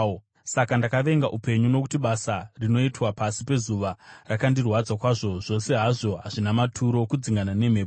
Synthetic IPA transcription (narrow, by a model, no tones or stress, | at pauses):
sakandakaʋe̞ŋɡaʔupe̞ɲunwo̞kutiɓasarino̞itwapasipe̞zuʋarakandirwad͡zakwaʐo̞ʐo̞se̞ɦaʐo̞ɦaʐinamatʰuɾo̞kud͡ziŋɡanane̞me̞ːp